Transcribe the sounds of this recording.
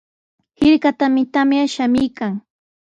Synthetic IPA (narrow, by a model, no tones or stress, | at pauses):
hɪɾkat̪amɪt̪amjaʃamɪjkaŋ